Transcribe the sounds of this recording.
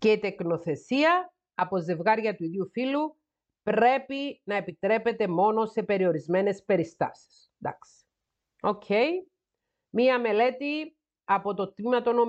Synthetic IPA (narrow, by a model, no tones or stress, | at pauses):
ce̞it̪e̞kno̞θe̞siɐː | po̞ze̞vɣɐɾʝɐt̪uiðiufilu | pɾe̞pinɐe̞pit̪ɾe̞pe̞t̪e̞mo̞no̞se̞pe̞ɾio̞ɾizme̞ne̞spe̞ɾist̪ɐ̰si̥s | d̪ɐ̰ks | o̞cʰej | miɐme̞le̞t̪i | ɐpo̞t̪o̞t̪mimɐt̪o̞no̞